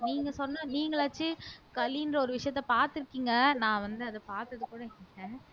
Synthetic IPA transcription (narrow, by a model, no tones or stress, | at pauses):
niːŋɡɐsɔnːaːniːŋɡɐɭaːt͡ʃːɯkɐlindrɐɔɾɯʋɪʂɐjɐt̪ːɛpaːɾt̪ɪɾɯkːiːŋɡɐnãːʋɐnd̪ɯɐðɐpaːɾt̪ɯɐðɯkuːɽɐɪkːiŋɐ̃ː